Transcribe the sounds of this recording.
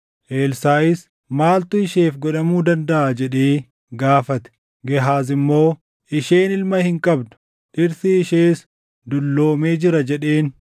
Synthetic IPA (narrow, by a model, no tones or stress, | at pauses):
ʔeːlsaːɪs | maːlt̪ʊɪʃeːfɡɔᶑɐmuːd̪ɐnd̪ɐʔaːd͡ʒɛᶑeː | ɡaːfɐt̪ɛ̥ | ɡɛɦaːs̬ɪmːo̞ː | ʔɪʃe̞ːnɪlmɐhɪŋkʼɐbd̪ʊ̥ | ʔɪɾt̪ɪːʃeːs | d̪ʊlːo̞ːme̞ːd͡ʒɪɾɐd͡ʒɛᶑeːn